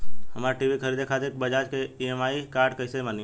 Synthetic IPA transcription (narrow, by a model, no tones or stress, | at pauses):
hɐmaɾaʈiːʋikʰəɾiːd̪ekʰaːt̪ekbɐd͡ʒaːd͡ʒkeiemaːikaːɾɖkəɪsemani